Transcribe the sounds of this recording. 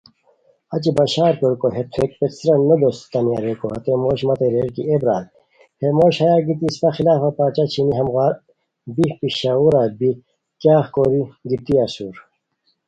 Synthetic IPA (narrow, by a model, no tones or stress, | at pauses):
ɐt͡ɕibɐɕaːɾpoɾkoɦet̪ʰek̚pesɾɐnod̪ost̪ɐnijaɾekoɦɐt̪emoːɕmɐt̪eɾeːɾkiebɾaːl | hemoːɕhɐjaɡit̪ispɐxilaːfapaːt͡ɕat͡ɕʰiniɦɐmɣaːɾ | bipiɕauɾabi | kjaːxkoːɾiɡit̪iasuːɾ